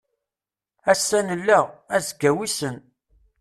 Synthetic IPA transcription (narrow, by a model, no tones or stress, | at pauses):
æsːænəlːæʁæzɡæwisən